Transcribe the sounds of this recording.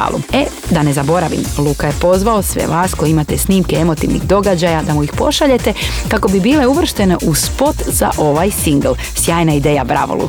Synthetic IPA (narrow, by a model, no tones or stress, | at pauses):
a̰lṵe | d̪ane̞zabo̞ɾaʋḭmlˠukaje̞po̞zʋaosʋḛʋaːsko̞jeimat̪esniːmkeemo̞t̪iʋnḭɣd̪o̞ɡad͡ʑajad̪amuixpo̞̰ʃaʎe̞t̪e̞kako̞bibiːle̞uʋr̩ʃt̪e̞ne̞ʔuspo̞t̪z̥a̰ʔo̞ʋajsiŋɡlˠ | sjaːjnaid̪eːjabɾa̰ʋo̰lṵ